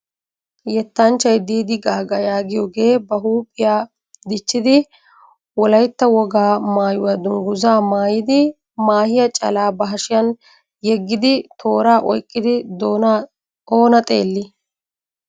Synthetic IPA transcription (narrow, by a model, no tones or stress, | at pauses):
jɛt̪ːaːnt͡ʃːɐjd̪iːd̪ɪɡaːɡɐjaːɡɪjɔɡe̞ːbɐɦuːpʼːɪjaː | d̪ɪt͡ʃːɪd̪ɪ | wɔlɐjt̪ːɐwɔɡaːmaːjʊwad̪ʊŋɡʊzaːmaːjɪd̪ɪ | maːhɪjɐt͡ʃʼɐ̰laːbɐɦɐʃɪjɐn | jɛɡːɪd̪ɪt̪ʰo̞ːɾaːʔɔ̰jkʼːɪd̪ɪ | oːnɐt̪ʼe̞̰ːlːɪ